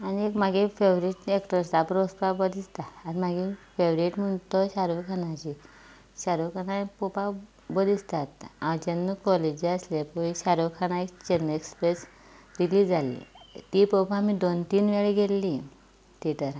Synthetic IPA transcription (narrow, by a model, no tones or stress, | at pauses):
aniekmaɡefeʋɾiʈekʈəɾt̪apɾospabəd̪ist̪aːɾimaɡefeʋɾiʈm̤əɳt̪ɔɕaɾokʰanat͡ɕi | ɕaɾokʰanapopa | bəd̪ist̪at̪ãt͡ɕenːukɔled͡ʑiəslepɔiɕaɾokʰañaekt͡ɕenekspɾes | ɾilid͡zalḭt̪ipɔpamid̪ont̪iːnʋeɭiɡelːi | t̪it̪əɾa